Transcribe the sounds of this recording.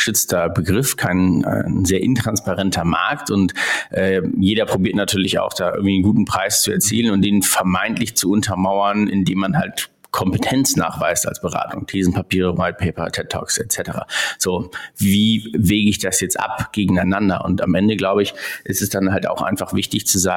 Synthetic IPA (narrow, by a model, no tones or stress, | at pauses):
ʃʏt͡stʰɐbəɡʁɪfkʰaɪn̰zeːɐʔɪntʁ̥anspaʁɛntʰɐma̰ɐktʊntʔɛːjeːɾɐpʁ̥obiɐtnatʰyːɐlɪça̰ʊxd̥aːʔɪ̰ɐɡŋ̩tv̥iːnɡuːtn̩pʁ̥aɪst͡suɛɐt͡siːlənʊnt̚d̥eːnfɛɐmaɪntlɪçt͡suʊntʰɐmaʊɐnʔɪ̰ndeːmːanhalt | kʰɔmpətʰɛnt͡sna̰ːχv̥a̰ɪsta̰lsb̥əʁa̰ːtʰʊ̰ŋtʰeːzn̩pʰapiːʁəwaɪt̚pʰeɪpɐ̰tʰɛk̚tʰːɔ̰ːksɛtt͡sɛtəʁa̰ːz̥oːviːveːɡəɪçd̥asjɛt͡stʔa̰pɡ̥eːɡŋ̩aɪnandɐ̰ʔʊ̰nta̰mʔɛndəɡlaʊbəɪçʔɪstɛsd̥anɦalta̰ʊxʔa̰ɪnfaχv̥ɪçtɪçt͡suzaːŋ